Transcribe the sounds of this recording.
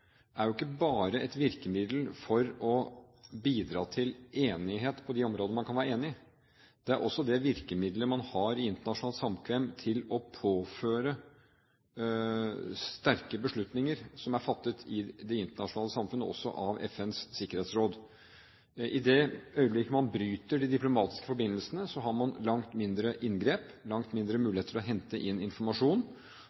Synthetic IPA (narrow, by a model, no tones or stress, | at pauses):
æɾjʊɪkːəbɑːɾəʔɛt̪ʋɪɾkəmɪd̪l̩fɔɾɔ | biːd̪ɾɑ̰ːt̪ʰɪleːnɪɦeːt̪pʰɔd̪ɪɔmɾoːd̪ənəmɑnkʰɑnʋæːɾeːnɪɪ | d̪̥ɛæɾʔɔsːɔd̪ɛʋɪɾkəmɪd̪ləmɑnhɑɾɪɪnt̪əɳɑʂʊnɑːlt̪sɑmkʰʋɛmt̪ʰɪlɔpʰoːføːɾə | st̪æɾkəbəʂɭʉt̪nɪŋəɾsɔmæɾfɑt̪ːət̪ʰɪd̪ɛɪnt̪əɳɑʂʊnɑːləsɑmfʉnəʔɔ̰sːɔ̰ʔɑʋɛ̰fɛnssɪkːəɾheːt̪sɾoːd̪ | ʔɪd̪ɛœʏblɪkəmɑnbɾyːt̪əɖɪd̪ɪplʊmɑːt̪ɪ̥skə̥fɔɾbɪnːəlsənəsɔɦɑɾmɑnlɑŋt̪mɪnd̪ɾəʔɪnɡɾeːp | lɑŋt̪mɪnd̪ɾəmʉːɪeːt̪ʰəlɔɦɛnt̪əʔɪnɪnfɔɾmɑʂuːn